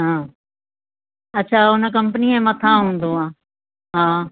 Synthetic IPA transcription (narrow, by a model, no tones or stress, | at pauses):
ɦãː | ɐtːt͡ɕʰaːʊnəkɐ̃mpəniẽmɐt̪ʰãːɦũːn̆d̪oãː | ɦaː